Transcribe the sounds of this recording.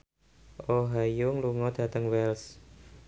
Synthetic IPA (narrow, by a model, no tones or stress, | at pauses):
ʔoɦajʊŋluŋɔd̪̥ä̤t̪əŋwɛls